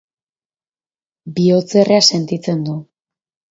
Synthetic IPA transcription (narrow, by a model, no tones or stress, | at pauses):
bio̞t͡se̞rease̞nt̪it͡se̞nd̪u